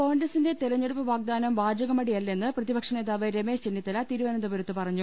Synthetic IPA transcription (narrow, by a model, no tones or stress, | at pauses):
ko̞ːɳɡrɐsinde̞t̪iɾɐɲːeɽupːɐʋaːɡ̚d̪aːnɐmʋaːd͡ʑɐɣɐmɐɽijɐlːɐe̞nːɨprɐðibɐkʂɐne̞ːðaːʋɐɾeme̞ːʂt͡ɕenːit̪ːɐlɐt̪iːɾuʋɐnɐnd̪ɐbɐɾɐt̪ːɨpɐrɐɲːu